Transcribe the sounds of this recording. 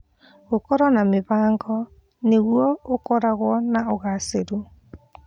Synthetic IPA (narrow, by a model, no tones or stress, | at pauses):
okɔɾɔnameβaːŋɡɔ | neɣwɔokɔɾaɣwɔnaɔɣaseɾu